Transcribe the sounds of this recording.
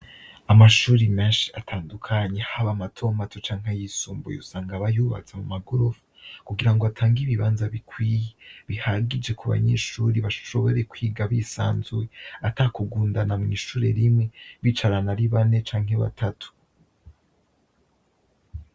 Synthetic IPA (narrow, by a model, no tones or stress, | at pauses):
amaʃuːɾimeːnʃi̥atʰaːndukʰaɲehaβamatʰo̞matʰot͡ʃaːŋ̥hajisuːmbojo̰saːŋɡaβajuːβa̰t͡samumaɡoɾovukuɡiɾaŋɡoatʰaːŋɡiβiβaːnzaβikwiːjeβihaɡid͡ʒe̞kʰuβa̰ɲeʃuɾiβaʃo̞βo̞ɾekwiːɡaβisa̰ːnzuweataːkuɡuːndanamŋiːʃuːɾe̞̰ɾimŋe̞βit͡ʃaɾanaɾiβane̞t͡ʃaːŋ̥he̞βa̰tʰatʰu̥